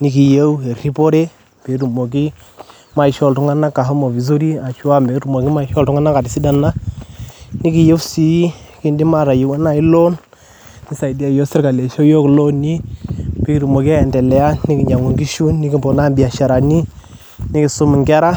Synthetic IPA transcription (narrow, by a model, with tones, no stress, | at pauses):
ni˦ki˨je˦we˨ɾi˦po˦ɾe˦ | pe˨˦ɾu˨mo˨k̬i˦ | ma˦i˨ʃɔ˨ltu˦ŋa˦na˦ka˨ɦo˦mo˨vi˨s̬o˦ɾi˦a˨ʃu˦a˦mbe˨˦ɾu˨mo˨ki˦ma˦i˨ʃɔ˦ltʊ˦ŋa˦na˦ka˨dɪ˨si˦da˨na˦ | ni˦ki˨je˦wsi˦ki˦ndi˦ma˦˨ɾa˨ji˨wa˦na˦i˦lɔ˦n | ni˦sa˨i˨di˦a˨jɔ˦sɪ˦ɾka˨le˨ʃo˦jo˦klo˦ni˦pe˨˦ki˦ɾu˨mo˨ki˦a˦jɛ˨ntɛ˨lɛ˨a˦nɪ˦kɪ˨ɲa˨ŋo˨ŋɡi˦ʃu˦nːɪ˦kɪ˦bɔ˨na˦˨mbi˨a˨ʃa˨ɾa˨ni˦ | ni˦kɪ˨sʊ˦mɪ˨ŋɡa˦ɾa˦